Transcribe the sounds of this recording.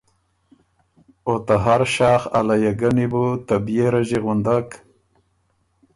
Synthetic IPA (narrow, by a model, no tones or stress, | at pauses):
ot̪aɦaɾʃɑːxa̰lajaɡanibut̪abijeɾaʒiɣʊnd̪ak